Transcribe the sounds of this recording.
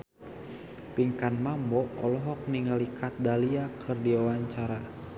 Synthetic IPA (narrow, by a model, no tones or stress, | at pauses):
piŋkanmambɔɔlɔɦɔk̚niŋalikʰat̪̚daliakʰɨrdiwawaɲt͡ʃaɾa